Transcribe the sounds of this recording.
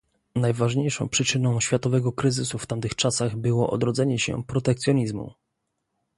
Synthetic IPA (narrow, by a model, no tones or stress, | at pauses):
najvaʐɲejʂɔ̰̃w̃pʂɘt͡ʂɘnɔ̃w̃ɕfʲjat̪ɔvɛɡɔkɾɘzɘsuft̪amt̪ɘxt͡ʂasaɣbɘwɔʔɔ̰d̪ɾɔd̪zɛɲɛɕɛ̰pɾɔt̪ɛkt̪sʲjɔɲizmṵ